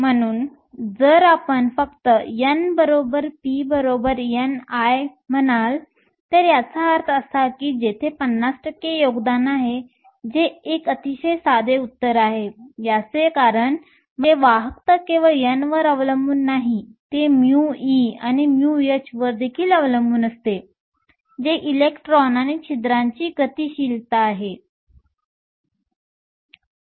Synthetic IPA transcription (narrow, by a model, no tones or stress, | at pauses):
m̤əñuːn | d͡zəɾapəɳfəkt̪əjənbəɾobəɾpibəɾobəɾjənajm̤ənal | t̪əɾjat͡saaɾt̪ʰəsakiːd͡ʑet̪ʰepənːasʈəkejoɡd̪anaɦe | d͡zeːkət̪iɕəjsad̪eut̪ːəɾaɦejat͡sekaɾəɳ | məʋaɦəkt̪əkĩʋajənʋəɾəʋləmbuːnːaɦit̪emjuiañimjujet͡ɕʋəɾd̪ekʰiːləʋləmbuːnəst̪e | d͡ʑeʔilekʈɾɔnanet͡ɕʰid̪ɾaɲt͡ɕiːkət̪iːɕiːlt̪aːɦe